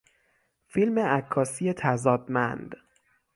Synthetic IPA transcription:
filme̞ʔækʰːɒːsije̞t̪ʰæzɒːd̪mænd̪̥

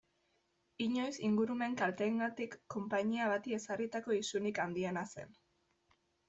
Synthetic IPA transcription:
iɲo̞jsiŋɡuɾume̞ŋkalt̪eːŋɡat̪ikːo̞mpaɲiaβ̞at̪ie̞sarit̪ako̞isunikand̪ienase̞̰n

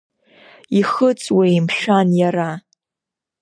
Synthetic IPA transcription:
iχət͡sʼweimʃᶣanjaɾa

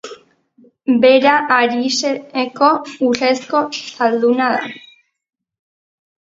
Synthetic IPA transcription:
beɾaʔaɾiʃeekouɬeskoθald̪unaða̰

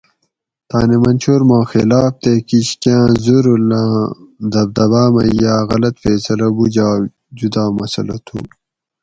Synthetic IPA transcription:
t̪a̰ːnemɐnʲt͡ɕʰoːɾmãːxelaːp̚t̪ekiɕkãːzuɾulãzd̪ɐb̚d̪ɐbaːmɐjaːɣɐlɐt̪feːsɐlɐbud͡ʑaː | d͡ʑud̪aːmɐsɐ̰lɐt̪ʰṵ

